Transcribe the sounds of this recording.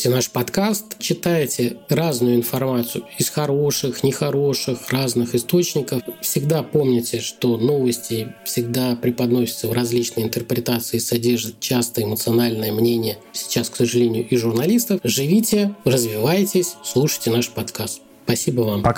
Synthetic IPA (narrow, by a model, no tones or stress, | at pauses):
tʲɪnaʂpɐt̪kast̪t͡ɕɪt̪ajɪtʲɪɾaznʊjʊɪnfɐrmat̪sʊjʊɪsxɐɾo̞ʂɨxnʲɪxɐɾo̞ʂɨxraznɨxɨst̪o̞t͡ɕnʲɪkəffsʲɪɡd̪apo̞mnʲɪtʲɪʂt̪o̞no̞vəsʲtʲɪfsʲɪɡd̪apɾʲɪpɐd̪no̞sʲɪt̪səvɾɐzʲlʲit͡ɕnəjɪnt̪ərpɾʲɪt̪at̪sɨɪsɐdʲerʐɨt̪̚t͡ɕast̪əɪmət̪sɨɐnalʲnəjəmnʲenʲɪjəsʲɪ̥t͡ɕasksəʐɨlʲenʲɪjʊʔɪʐʊrnɐlʲist̪əfʐɨvʲitʲɪrəzvʲɪvajtʲɪsʲslˠuʂə̥jtʲɪnaʂpɐt̪kast̪ | spɐsʲibəvamp